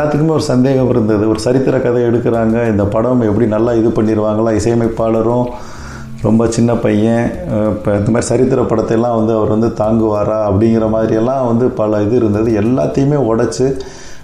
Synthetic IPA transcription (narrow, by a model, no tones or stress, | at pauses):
laːt̪ːɯkːɯmeːɔɾɯsɐnd̪eːɣɐmɪɾɯnd̪ɐðɯɔɾɯsɐɾɪt̪ːɯɾɐkɐðɐɛɽɯkːɪɾaːŋɡɐɪnd̪ɐpɐɽɐmɛpːɐɽinɐlːaːɪðɯpɐɳːiɾɯʋaːŋɡɐɭãːɪsɐjɐmɐɪpːaːɭɐɾʊ̃ | ɾɔ̰mbɐt͡ʃɪnːɐpɐjːɐ̃pːɪnd̪ɐmaːðɾisɐɾɪt̪ːɪɾɐpɐɽɐt̪ːɐɛlːãːʋɐnd̪ɯɐʋɐɾʋɐnd̪ɯt̪aːŋɡɯʋaːɾaːɐpːɐɽɪŋɡɪɾɐmaːðɪɾijɛlːãːʋɐnd̪ɯpɐlɐɪðɯɪɾɯnd̪ɐðɯɛlːa̰ːt̪ːɐjɯmeːɔɽɐt͡ʃːɯ